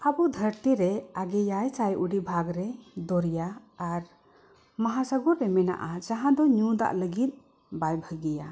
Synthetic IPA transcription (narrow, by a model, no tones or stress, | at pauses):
abud̪ʱəɾt̪iɾɛaɡɛjajt͡ʃajʔuɖibʱaɡɾɛd̪ɔɾjaːɾ | maɦasəɡuɾːɛmɛna̰ʔad͡ʒaɦãd̪ɔɲud̪a̰ʔləɡit̪̚ˀ | bajbʱəɡija